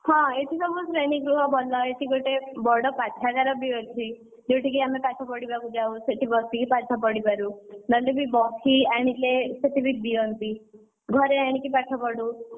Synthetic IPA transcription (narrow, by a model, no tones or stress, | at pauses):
hɔ̃et̪ʰisɔmosɾeɽ̃ikɾuɦɔbʱɔlɔeʈ̪ʰiɡoʈebɔɽɔpat̪ʰaɡaɾɔbietʰi | d͡ʒewʈʰikiamepaʈʰɔpɔɽibakud͡ʒaw̃seʈʰibɔst̪ikipat̪ʰɔpɔɽibaɾunɔlebʱibɔkʰiaɽ̃ileseʈibik̚d̪iɔnt̪i | ɡʱɔɾeaɽ̃ikipaʈʰɔpɔɽu